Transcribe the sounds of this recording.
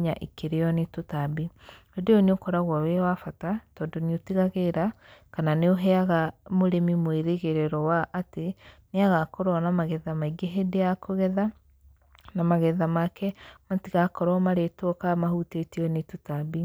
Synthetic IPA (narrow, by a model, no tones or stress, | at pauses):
ɲaʔikeɾeɔnetotabi | odeoneokɔɾaɣwɔwewafatatɔːndoniotiɣaɣeɾakananeoɦɛaɣamoɾemimweɾeɣeɾeɾɔwaʔateneaɣakoɾɔnamaɣɛðamaiɡeɦedeakoɣɛða | namaɣɛðamakɛmatiɣakɔɾwɔmaɾetwɔkamahutetiɔnetotabi